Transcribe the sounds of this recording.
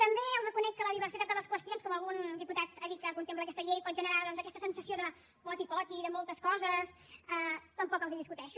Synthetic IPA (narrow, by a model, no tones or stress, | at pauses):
t̪əmbeəlˠrəkunɛk̚kələðiβəɾsit̪at̪d̪ələskwəst̪ionskɔməlˠɣund̪iput̪at̪əkikəkunt̪empləkɛst̪əʎejpɔt̪ʒənəɾaðɔnzəkɛst̪əsənsəsioðə | mɔt̪ipɔt̪iðəmolˠt̪əskɔzəsət̪əmpɔkəlˠziðiskut̪ɛʃu